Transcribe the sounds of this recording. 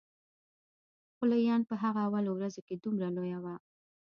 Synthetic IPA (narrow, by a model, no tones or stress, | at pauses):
xʊlajɑnpəɦaɣaːwɑlowɾazoked̪umɾalojawa